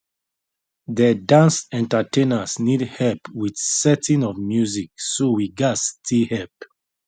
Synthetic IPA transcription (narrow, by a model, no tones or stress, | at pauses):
dədãnstɛ̃ntətẽnəsnidhɛlpwidsɛtĩnɔvmjuzik̚sowiɡastʰihɛlp̚